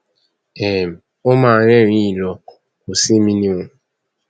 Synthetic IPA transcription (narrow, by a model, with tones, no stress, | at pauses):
e˨m̩˨ | o˦ma˨ɾe˦˨ɾi˦i˨lɔ˨ | ko˨se˦mi˦ni˦ŋʊ˨